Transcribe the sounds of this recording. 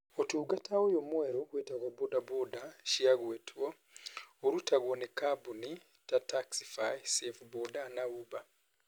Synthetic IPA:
otuːɡatʰawojomweɾokwetaɣwabodabodaʃiaɣwetwo | oɾutaɣwonekabuni | tataksi̥fajsefbodanauba

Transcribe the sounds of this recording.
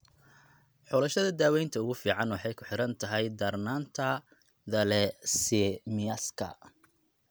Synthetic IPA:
ħɔlɐʃɐðɐd̪aːwɛjnt̪ʰɐʊɣʊfiːʕɑnwɑħɑjkʰʊħɪɾɐnt̪ʰɐɦɛjd̪ɐrnaːnt̪ʰɐ | ðɐlɛsɛmɪɐskʰɐ̰

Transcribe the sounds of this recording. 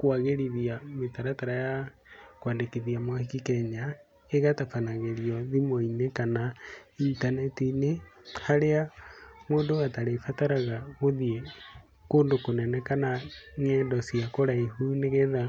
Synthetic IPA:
kwaɣeɾiðiametaɾataɾaja | kwaːndekiðiamwahikikɛɲa | eɣatafanaɣeɾiɔðimoinekanaintanɛtinehaɾeamwoːndoataɾefataɾaɣaɣoðiɛ | koːndokonɛnɛkanaŋɛndɔsiakoɾaeɦuneɣeða

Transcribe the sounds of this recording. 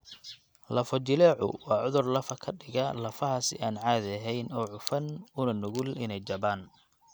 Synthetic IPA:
lɐfɔt͡ʃɪlɛːʕʊ̰wɑːʕʊðʊrlɐfɐkʰɐɖɪɣɐlɐfɐɦɐsɪ̰ʔaːnʕaːðɐɦɛjnɔːʕʊfɐnʊnɐnʊɣʊlɪnɛjt͡ʃɐbaːn

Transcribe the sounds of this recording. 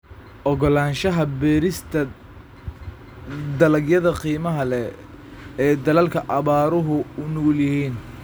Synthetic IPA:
ʔɔɣɔlaːnʃɐɦɐbɛːɾɪst̪ʰɐ | d̪ɐlɐɡjɐðɐqiːmɐɦɐlɛ | ɛːd̪ɐlɐlkʰɐʔɐβaːɾʊɦʊʊnuːljɪhiːn

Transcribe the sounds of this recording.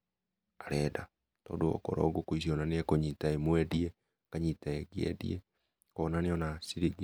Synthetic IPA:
aɾɛːda | tɔ̰ːdoɔ̰kɔ̰ɾɔ̰ɡokois̬iɔnaneɛkoɲitaemwɛdiɛ | kaɲitaeɡeɛ̰dḭɛ | kɔnaneɔnasiɾiɡ

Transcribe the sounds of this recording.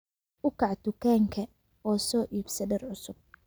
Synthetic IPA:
ʔʊkʰɑʕt̪ʊkʰɛːŋkʰɐ | ɔːsɔːʔiːbsɐdɐrʕʊsʊb̥̚

